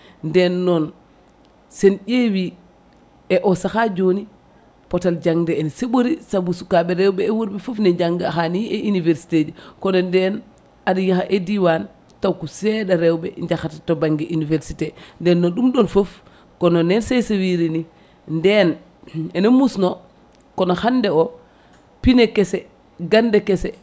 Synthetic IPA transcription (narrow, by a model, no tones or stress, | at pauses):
ndɛnːɔn | senɟewi | eʔɔsaxad͡ʒoni | potald͡ʒaŋdeːnseɓoɾisabusukaɓɛɾɛwɓɛːwuɾbefofneɲɟaŋɡaxanieʔiniveɾsi̥ted͡ʒukɔnɔndɛn | aɗijaxaʔediwan | tawkusɛɗaɾɛwbɛɲɟaxatatobaŋɡɛʔiniveɾsitendɛnːoɗumɗonfof | kɔnonɛnsejsewiɾini | ndɛn | ɛnomusno | kɔnoxandɛɔ | pinekɛsɛ | ɡandɛkɛsɛ